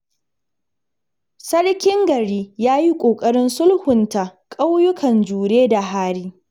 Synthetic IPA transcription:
sɐ˦ɽkʲɪ˦ŋɡɐ˨ɽiː˦jaː˦ji˦kʷʼoː˨kʼɐ˦ɽɪ˦nsʊ˦lhʊ˨nta˨kʼa˦wjʊ˦kʰɐ˨nd͡ʒuː˨ɽeː˦da˨ɦaː˦ɽiː˦

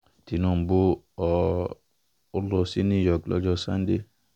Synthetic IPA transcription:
ti˨nɔ̃˦˨m̩˨bo˦ | ɔ˨ | o˦lɔ˧si˦nĩ˦˨jɔ˨klɔ̰˦d͡ʒɔ˧sã˦n˦de˦

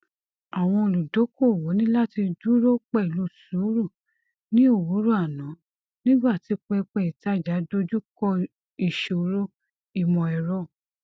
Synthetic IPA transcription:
a˨w̃ɔ̃˧o˨lu˨do˨˦ko˦˨wo˨˦nĩ˦la˦ti˧du˦ɾo˦k͡pɛ˦i˨lo˧˨su˨˦ɾu˦˨ | nĩ˦o˦˨wu˨˦ɾu˦a˨nã˨˦ | nĩ˦ɡ͡ba˦˨ti˨˧˦k͡pɛ˧k͡pɛ˧˨i˨ta˨˦˨d͡ʒa˨˦do˦d͡ʒu˦kɔ˦ | i˨ʃo˨ɾo˦ | i˨mɔ̃˨ɛ˨ɾɔ˦˨

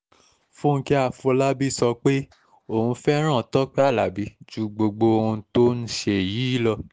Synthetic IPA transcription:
fũ˦ŋ̩˧ki˦a˦˨fu˨o˧la˦bi˦˨sɔ˧k͡pe˦ | o˦˨hũ˧fɛ˦ɾ̃ã˦˨tɔ˦k͡pɛ˦a˦˨la˨bi˨˦d͡ʒu˧ɡ͡bo˧ɡ͡bo˧o˧ũ˧to˦n̩˦ʃe˦˨ji˨˦i˦lɔ˧

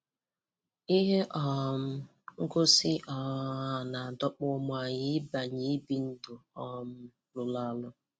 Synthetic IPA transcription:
i˦ɦe˦ʔɔ˨m̩˦ | ŋ̩˦ɡo˦sɪ˦ʔɔ˨˦a˨na˨a˨dɔ˦k͡pʊ˦mʊ˨a˨ɲɪ˦ba˨ɲi˦bi˦n̩˦dʊ˨ɔ˨m̩˦ | lʊ˨la˦lʊ˦

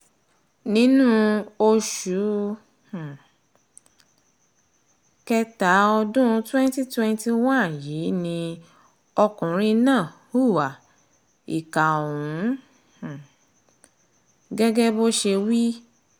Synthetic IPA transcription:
nĩ˦nũ˦o˧ʃu˨˦ | h̩˨ | kɛ˧ta˨˦ɔ˧dũ˦˧˦twɛ̃˦n˦ti˦twɛ̃˦n˦ti˦wã˦n˨jiː˨˦nĩ˧ | ɔ˧kũ˨ɾ̃ĩ˦nãː˦˨ | u˦˨wa˨ | i˨ka˨wũ˨˦˨ | ɡɛ˦ɡɛ˦bo˦ʃe˧wi˦

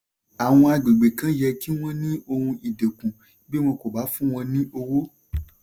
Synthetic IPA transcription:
a˨w̃ɔ̃˧a˧ɡ͡be˨ɡ͡be˨kã˦jɛ˧ki˦w̃ɔ̃˦nĩ˦o˧hũ˧ʔi˨de˨kũ˨ | be˦w̃ɔ̃˧ko˨ba˨˦fũ˦w̃ɔ̃˧nĩ˦ʔo˧wo˦

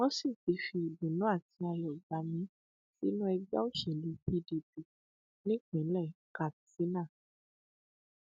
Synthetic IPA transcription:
wɔ̃˦si˦˨fi˨˧˦fi˧i˨bĩ˨nũ˨˦a˦˨ti˧a˧jɔ˨ɡ͡ba˨mĩ˧˦ | si˦nũ˦ɛ˧ɡ͡ba̰˦o˦˨ʃe˨li˧pi˦di˨ti˨ | nĩ˦k͡pĩ˨˦lɛ˦˨ka˨si˨˦nã˦˨

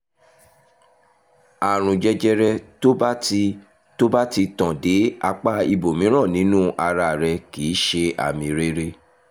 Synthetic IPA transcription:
a˨ɾ̃ũ˨d͡ʒɛ˦d͡ʒɛ˦ɾɛ˧to˦ba˦ti˧ | to˦ba˦ti˧tãɔ̃˨de˨˦a˧k͡pa˦i˧bo˨mĩ˨˦ɾ̃ɔ̃˦˨nĩ˨˦nũ˦ʔa˧ɾa˧˨ɾɛ˧ki˨˦ʃe˧ʔa̰˨mĩ˧ɾe˦ɾe˦

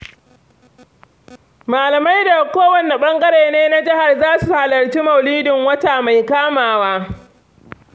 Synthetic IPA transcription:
maː˨lɐ˨ma˦jda˨kʷoː˦wɐ˨ne˨ɓɐ˦ŋɡɐ˦ɽeː˨neː˦na˦d͡ʒɪ˦ha˨rzaː˦su˨ha˨lɐ˨rt͡ʃiː˦mɐ˨wliː˦dɪ˨ŋwɐ˦ta˨ma˨jkaː˦maː˨waː˦

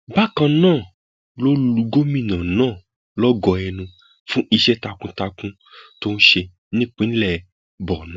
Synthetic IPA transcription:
ba˦kã˧nãː˦˨ | lo˦llu˧ɡo˦mĩ˦˨nã˨nãː˦˨ | lɔ˦ɡɔ˧ɛ˧nũ˧ | fũ˦ʔi˧ʃɛ˦ta˧kũ˦ta˧kũ˦ | to˦n̩˦ʃe˧ | nĩ˦k͡pĩ˨˦n˦lɛ˨ | bɔ˨nã˨˦

